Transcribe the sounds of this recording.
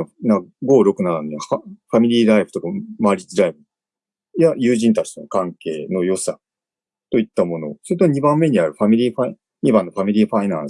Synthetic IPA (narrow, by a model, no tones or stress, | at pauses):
naɡo̞ːɾo̞kɯ̟naɾand̪eaɸamʲiɾʲiːɾaibɯ̟t̪o̞kamaːɾʲit͡sɨɾaibɯ | jajɨːʑĩnt̪at͡ɕi̥t̪enokãŋke̞ːno̞jo̞sa | t̪o̞it̪ːamo̞no̞̰soɾet̪oɲ̟ibãmːe̞ɲ̟iaɾɯ̟ɸamʲiɾʲiːɸai | ɲibãnːo̞ɸamʲiɾʲiːɸainãs